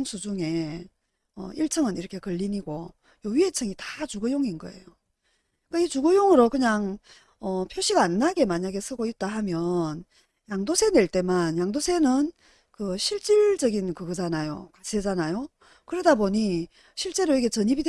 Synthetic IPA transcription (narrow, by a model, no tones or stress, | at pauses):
ŋsʰud͡ʑuŋe̞ | ʌ̰iɭt͡ɕʰʌŋɯniɾʌkʰe̞kɯʎːiniɡo | joɥiet͡ɕʰʌŋitat͡ɕuɡɯjoŋinɡʌ̰e̞̰jo | k͈ait͡ɕuɡɯjoŋɯɾokɯɲaŋ | ʌpʰjoɕʰiɡaanːaɡe̞maɲaɡe̞sʰɯɡoit̚t͈ahamjʌn | jaŋdosʰe̞ne̞ɭt͈e̞manjaŋdosʰe̞nɯn | kɯɕʰiɭt͡ɕ͈iɭd͡ʑʌɡinkɯɡɯd͡ʑanajo̰kasʰed͡ʑanajo | kɯɾʌdaboɲi | ɕʰiɭt͡ɕ͈e̞ɾoiket͡ɕʌɲibid